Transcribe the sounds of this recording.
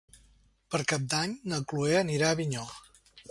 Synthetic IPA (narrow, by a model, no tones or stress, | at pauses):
pəɾkap̚d̪aɲnəklueəniɾaəβiɲɔ